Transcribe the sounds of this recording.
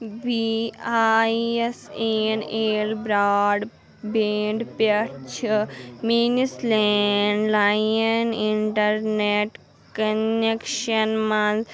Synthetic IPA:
ʋiaeseneːlbɾaːɖ | beːɳɖpɐt͡ʃʰminisleːɳɖlajɐniɳʈɐɾneʈ | kɐnekʃɐnmaz

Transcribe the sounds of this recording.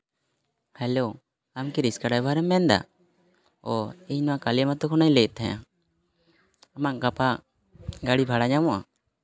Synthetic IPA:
hɛlo | amkiɾiskaɽajbʱaɾɛmːɛnd̪a̰ | ɔɛɲnɔwakalijamat̪ɔkʰɔnajlɛt̪ːɛja̰ | amaʔkapa | ɡaɽibʱaɽaɲamɔʔa̰

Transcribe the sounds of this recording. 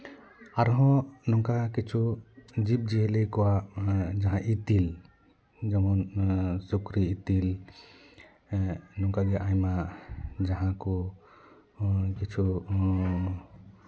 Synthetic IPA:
aɾɦɔ̃nɔŋkakit͡ʃʰud͡ʒip̚d͡ʒiɦɛlikɔwad͡ʒaɦãʔit̪il | d͡ʒamɔnsukɾiːt̪il | nɔŋkaɡɛʔãjmad͡ʒaɦãku | kit͡ʃʰu

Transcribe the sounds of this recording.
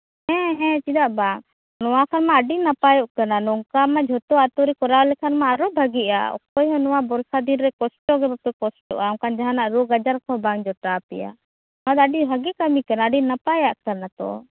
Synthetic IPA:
hɛ̃ɦɛ̃t͡ʃid̪aʔbaŋ | nɔwakʰanmaːɖinapajɔʔkananɔŋkamad͡ʒʱɔt̪ɔat̪ɔɾikɔɾawlɛkʰanmaːɾɔbʱaɡiʔa̰ɔ̰kɔjɦɔ̃nɔwabɔɾsad̪inɾɛkɔsʈɔɡɛbapɛkɔsʈɔ̰ʔakand͡ʒaɦanaʔɾuɡad͡ʒaɾkʰɔbaŋd͡ʒɔʈapɛja̰ | mad̪əɖiɦaɡɛkamikanaːɖinapajaʔkanat̪ɔ̰

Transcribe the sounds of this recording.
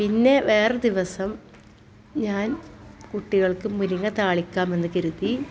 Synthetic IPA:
pinːe̞ʋe̞ːred̪iʋɐsɐm | ɲaːnkuʈːiɣɐɭkɨmuɾiŋːɐt̪aːɭikʲːaːme̞nːɨkɐɾuði

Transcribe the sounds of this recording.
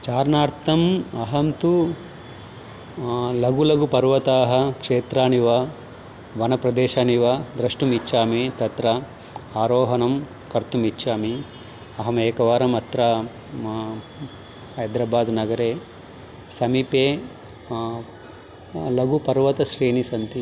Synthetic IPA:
t͡ʃaːɾnaːɾt̪ʰɐmɐɦɐmt̪u | lɐɡulɐɡupɐɾʋɐt̪aːɦɐkʂeːt̪ɾaːniʋɐ | ʋɐnɐpɾɐd̪eːʃaːniʋɐd̪ɾɐʂʈumit͡ʃːʃaːmit̪ɐt̪ɾɐ | aːɾoːɦɐnɐm | kɐɾt̪umit͡ʃːʃaːmi | ɐɦɐmeːkɐʋaːɾɐmɐt̪ɾaː | hɐjd̪ɾaːbaːd̪nɐɡɐɾeː | sɐmipeː | lɐɡupɐɾʋɐt̪ɐʃɾiːnisɐnt̪i

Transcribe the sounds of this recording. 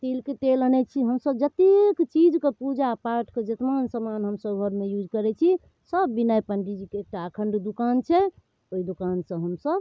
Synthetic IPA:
t̪elket̪elənɛt͡ʃʰiɦəmsəbd͡ʒət̪ikt͡ʃid͡ʒkepud͡ʒapaɾʈʰked͡ʒet̪mansəmanɦəmsəbɡʱəɾmejud͡ʒkəɾɛt͡ʃʰi | səbːinajpəɳɖid͡ʒikeːk̚ʈaəkʰəɳɖd̪ukant͡ʃʰɛ | oid̪ukansə̃ɦəmsəb

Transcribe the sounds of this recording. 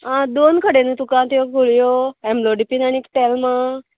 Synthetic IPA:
ɦãd̪onkʰəɽenet̪ukɾãt̪ijokɡʱoɭijoɛmloɖipinaniekʈelmə

